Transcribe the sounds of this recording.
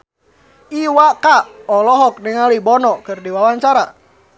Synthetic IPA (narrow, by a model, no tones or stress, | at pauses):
iwakaɔlɔɦɔk̚nəŋalibɔnɔkɨrdiwawaɲt͡ʃaɾa